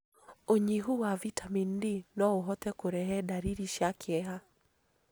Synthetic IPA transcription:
oɲiɦuwavitʰamindinɔoɦɔtɛkoɾɛɦɛdaɾiɾiʃakʰɪɛɦa

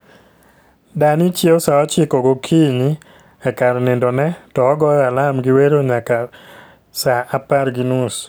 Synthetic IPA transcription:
danɪt͡ʃjeosaɔt͡ʃɪkɔɡokʰiɲɪ | ɛkaɾnɪndɔnɛtɔːɡɔjalamɡɪweɾoɲaka | saʔapaɾɡinus

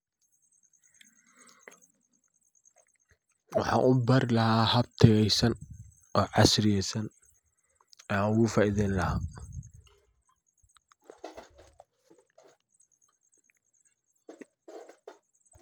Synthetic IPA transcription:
wɑħɑ̰ːʔʊbɐrɪlɐhaːhɐb̚t̪ʰɐɣɛjsɐn | ɔːʕɑsrɪjɛjsɐn | nʊɣʊfaːʔɪðɛnlɐɦaː

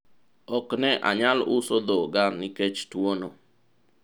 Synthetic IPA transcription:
ɔknɛʔa̰ɲalʊsod̪oɡanɪket͡ʃtwono

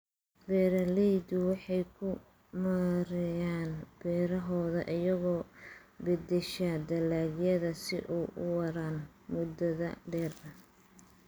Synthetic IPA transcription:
bɛːɾɐlɛjd̪ʊwɑħɑjkʰʊ | mɐɾɛjaːnb̥ɛːɾɐɦɔːðɐ̰ʔɪjɐɣɔː | bɪd̪ɪʃɐd̪ɐlaːɡjɐðɐsɪʔuːʔʊ̰wɐɾaːn | mʊd̪ɐðɐ̰ɖɛːrɐ

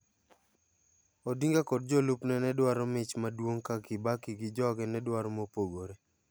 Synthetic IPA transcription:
ɔdiŋɡakɔd̚d͡ʒɔlʊpnɛnɛdwaɾɔmɪt͡ʃmadwoŋkakɪbakiɡɪd͡ʒɔɡɛnɛdwaɾɔmopoɡoɾe

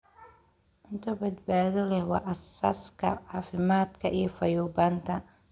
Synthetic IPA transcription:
ʔʊnt̪ʰɐbɐd̪baːðɔlɛhwɑːʔɐsaːskʰɐ̰ʕɑːfɪmaːd̪kʰɐʔijɔfɐjuːbaːnt̪ʰɐ

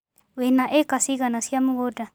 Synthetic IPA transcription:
wenaʔekasiɡanasiamuɡoda

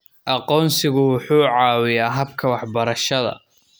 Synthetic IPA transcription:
ʔɑqɔːnsɪɣʊwʊħuːʕɑːwɪjaːɦɐbkʰɐwɑħbɐɾɐʃɐðɐ̰

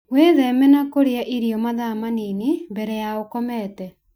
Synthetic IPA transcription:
weðɛmɛnakoɾeaʔiɾiɔmaðamaninimbɛɾɛjaokɔmɛtɛ

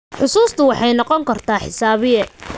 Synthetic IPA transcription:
ħʊsuːst̪ʰʊwɑħɑjnɔqɔŋkʰɐrt̪ʰaːħɪsaːβɪjɛ

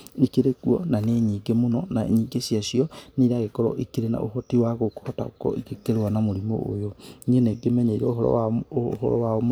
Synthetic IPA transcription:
ikeɾekuɔ̰naneɲiːɡemonɔnaḛɲiːɡesiasiɔneɾaɣekɔɾɔ̰ʔikiɾena̰ʔo̰ɦɔtiwaɣoko̥hɔta̰o̰kɔ̰ikekeɾewanamoɾimo̰ʔo̰joɲeneɡemɛɲeiɾɛoɦɔɾɔ̰a̰ːhɔ̰ɾɔ̰waom

